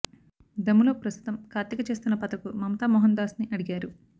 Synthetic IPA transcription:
d̪ɐmːulo̞ːpɾɐst̪u̥t̪ɐmkʰaːɾt̪jɐkɐt͡ʃe̞ːst̪unːɐpɐt̪ɐkumɐmɐt̪aːmɔɦɐnd̪aːsniʔɐɽiɡaːɾu

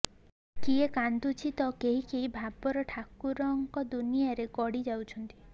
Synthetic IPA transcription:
kiekand̪ut͡ʃʰit̪ɔkeɦikeɦibʱabɔɾɔʈʰakuɾɔŋkɔd̪unijaɾeɡɔɽid͡ʒawt͡ʃʰɔnt̪i̥

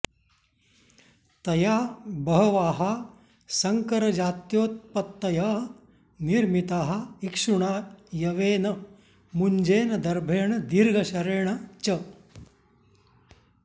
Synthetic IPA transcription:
t̪ɐjaːbɐɦɐʋaːɦɐ | sɐŋkɐɾɐd͡ʒaːt̪joːt̪̚pɐt̪ːɐjɐ | niɾmit̪aːɦɐ̆ikʂuɳaːjɐʋeːnɐ | muɲd͡ʒeːnɐd̪ɐɾbʱeːɳɐd̪iɾɡʱɐɕɐɾeːɳɐt͡ʃɐ

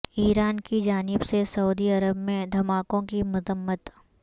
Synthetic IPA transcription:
iːɾaːnkid͡ʒaːnɪbsesɐuːd̪iɐɾəbmẽd̪ʱɐmaːkõkimʊzəmːət̪

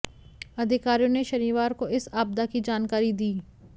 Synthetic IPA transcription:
ɐd̪ʱɪkaːɾijõneʃɐniːʋaːɾkoɪsaːb̚d̪akid͡ʒaːnkaːɾid̪iː

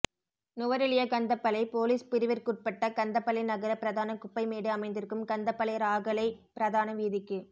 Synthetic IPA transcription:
nʊʋɐɾɪɭɪjɐkɐnd̪ɐpːɐlɐɪpoːliːspɪɾɪʋɪɾkuʈ̚pɐʈːɐkɐnd̪ɐpːɐlɪnɐɣɐɾɐpɪɾɐðaːnɐkʊpːɐɪmeːɽɯɐmɐɪnd̪ɪɾɯkːɯmkɐnd̪ɐpːɐlɐjɐɾaːɣɐlɐɪpɪɾɐðaːnɐʋiːðɪkːɯ

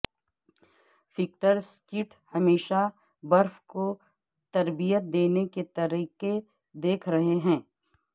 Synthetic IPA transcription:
fɪk̚ʈəɾskɪʈ | hɐmeːʃa | bɐɾfko | t̪ɐɾbijət̪̚d̪eːneket̪ɐɾiːqe | d̪eːkʰɾɐɦeɦɛ̃ː

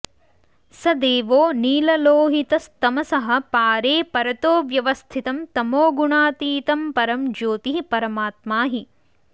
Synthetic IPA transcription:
sɐd̪eːʋoːniːlɐloːɦit̪ɐst̪ɐmɐsɐɦɐ̆paːɾeːpɐɾɐt̪oːʋjɐʋɐst̪ʰit̪ɐmt̪ɐmoːɡuɳaːt̪iːt̪ɐmpɐɾɐmd͡ʒoːt̪iɦipɐɾɐmaːt̪̚maːɦi

